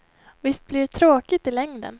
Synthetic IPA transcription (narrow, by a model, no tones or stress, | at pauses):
vɪst̪̚blɪɖt̪ʰɾoːkɪt̪ɪlɛŋd̪ə̰n